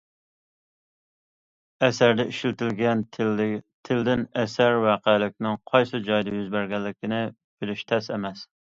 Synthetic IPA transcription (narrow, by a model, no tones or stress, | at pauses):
ɛsæɾd̪ɛiʃilt̪ɪlɡʲɛn | t̪ʰɪld̪ɪnɛsæɾwɑːqəlɪk̚ʲnɪŋqʰɑjsɨd͡ʒɑjd̪ɑjyzbæɾɡʲɛlːɪkʲɪnɪ | b̥ɪlyʃt̪ʰɛsemɛs